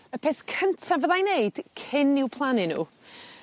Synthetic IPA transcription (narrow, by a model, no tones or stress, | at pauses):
əpʰeːθkʰəntʰavəðajneɨd̥kʰɪnɪwpʰlˠanɪnṵː